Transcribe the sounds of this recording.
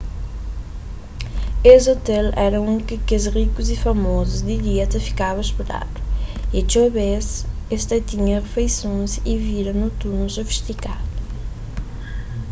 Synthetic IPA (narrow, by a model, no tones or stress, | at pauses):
esot̪ɛlɛɾɐũnkɪkezʁikuzifɐmɔzuzd̪id̪iɛt̪ɐfi̥kaβɐʃpuɾa̰t̪u̥iɐt͡ʃoβes | est̪ɐt̪iɲɐʁefejsõsiviɾɐnut̪unusofi̥ʃt̪ikaðu